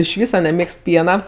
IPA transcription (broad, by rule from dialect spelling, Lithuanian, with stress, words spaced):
ɪʃ ˈʋʲiːsɐ nʲɛˈmʲeːkst ˈpʲiɛnɐ